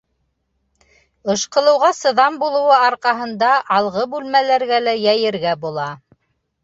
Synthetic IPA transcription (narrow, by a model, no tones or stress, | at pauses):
ɤ̆ʃqɤ̆lˠɤ̆wʁɑsɤ̆ðɑmbulˠɤ̆wɤɑɾqɑɦɤ̆nd̪ɑʔɑlˠʁɤbʉlmælæɾɡælæjæjɘ̆ɾɡæbulˠɑ